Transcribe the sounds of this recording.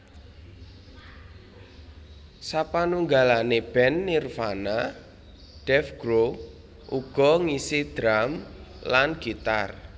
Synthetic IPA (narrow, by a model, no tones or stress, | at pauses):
sapanuŋɡalaneb̥ɛnːirfana | ɖ̥ɛfɡ̥ɾo | ʔuɡ̥ɔ̤ŋisid̪̥ɾamlanɡ̥it̪a̰r